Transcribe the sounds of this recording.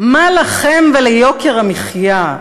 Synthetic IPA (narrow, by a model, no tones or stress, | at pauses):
malaχemvelejo̞keʁamiχja